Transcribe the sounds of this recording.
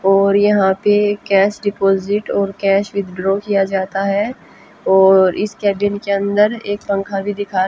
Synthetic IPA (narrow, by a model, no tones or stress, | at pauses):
ɔːɾjɐɦãpekɛːʃɖɪpoːzɪʈɔːɾkɛːʃʋɪd̪ʱɖɾokijad͡ʒaːt̪aɦɛ | ɔːɾɪskɛːɖɪnkeɐ̃nd̪əɾeːkpɐ̃ŋkʰaɾbʱid̪ɪkʰaː